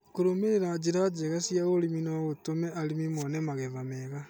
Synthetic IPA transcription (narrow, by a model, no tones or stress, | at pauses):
koɾomeeɾad͡ʑiɾad͡ʒeɣasijaɣoliminaɣotomɛaɾimimɔnɛmaɣeβamɛɣa